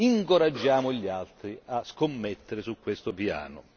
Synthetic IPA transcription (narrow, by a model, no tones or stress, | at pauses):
iŋkoɾad͡ʒːaːmʊʎalt̪ɾiaskomːet̪ːeɾɪsukːwest̪ʊpja̰ːnʊ̰